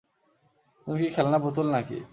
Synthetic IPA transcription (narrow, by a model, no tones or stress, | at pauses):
ũkikʰelnabut̪ulnãkḭ